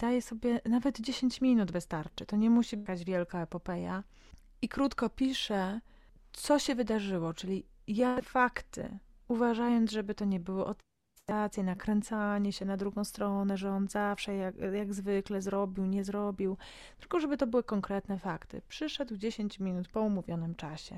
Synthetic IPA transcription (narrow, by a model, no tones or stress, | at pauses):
d̪ajɛsɔbʲjɛnavɛd̪d͡ʑeɕeɲt͡ɕmʲinud̪vɘst̪aɾt͡ʂɘt̪ɔɲɛmuɕibɡad͡ʑvʲjɛlkaɛpɔpɛja̰ | ikɾut̪kɔpʲiʂɛ | t̪sɔɕɛvɘd̪aʐɘwɔt͡ʂɘlʲi | jafakt̪ɘ̰ | uvaʐajɔnt̪ʐɛbɘt̪ɔɲɛbɘwɔʔɔt̪ | at̪sʲjɛnakɾɛnt̪saɲɛɕɛnad̪ɾuɡɔ̃w̃st̪ɾɔnɛʐɛɔnzafʂɛjajaɡzvɘklɛzɾɔbʲiwɲɛzɾɔbʲiw | t̪ɘ̥lkɔʐɛbɘt̪ɔbɘwɘkɔŋkɾɛt̪nɛfakt̪ɘ̰pʂɘʂɛd̪wd͡ʑeɕeɲt͡ɕmʲinut̪pɔumuvʲjɔnɘmt͡ʂaɕɛ̰